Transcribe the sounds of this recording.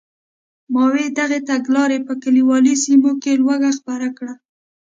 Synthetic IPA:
mɑwed̪aɣet̪aɡlɑɾepəkaliwɑlisimokelwaɡaxpaɾakɽa

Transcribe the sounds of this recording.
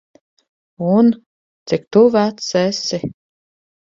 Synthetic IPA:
un | t̪sikt̪uvæt̪sɛsi

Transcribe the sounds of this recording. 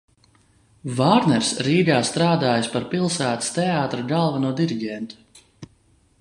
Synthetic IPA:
vaːɾnɛɾsɾiːɡaːst̪ɾaːd̪aːjaspaɾpilˠsæːt̪i̥st̪ɛaːt̪ɾaɡalˠvanuɔd̪iɾiɡɛnt̪u̥

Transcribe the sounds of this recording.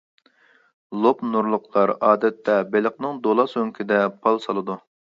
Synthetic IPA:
lˠopnuɾlˠʊqɑɾɑːd̪ɛt̪ʰːɛbeləqnɨŋd̪olˠɑsøŋkʲʰid̪ɛpʰɑlˠsɑlˠɨd̪u

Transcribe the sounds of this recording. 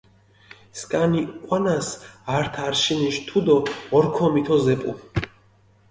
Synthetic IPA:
skʼaniqʼwanasaɾt̪ʰaɾʃiniʃt̪ʰud̪ɔɔɾkʰɔmit̪ʰɔzɛpʼu

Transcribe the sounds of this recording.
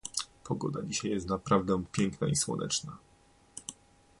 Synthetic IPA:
pʰɔɡɔd̪ad͡ʑiɕajːɛst̪napɾavd̪ɛpʲjɛŋkna̰iswɔ̰nʔɛ̰t͡ʂna

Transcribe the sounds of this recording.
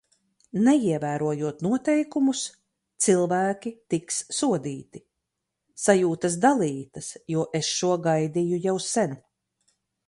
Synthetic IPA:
nɛiɛvæːɾuɔjuɔt̪nuɔt̪ɛjkumus | t̪silˠvæːkʲit̪iksːuɔd̪iːt̪i | sajuːt̪ɐsd̪alˠiːt̪ɐsjuɔʔesʃuɔɡajd̪ijujawsɛn

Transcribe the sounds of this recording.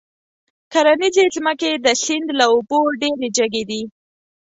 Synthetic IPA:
kaɾanizezməked̪əsɪnd̪laoboɖeɾed͡ʒəɡed̪i

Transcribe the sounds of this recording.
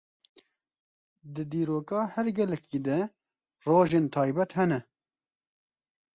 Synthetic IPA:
d̪ɨd̪iːɾoːkɑːhɛɾɡɛlɛkʰiːd̪ɛ | roːʒeːnt̪ʰɑːjbɛt̪hɛnɛ

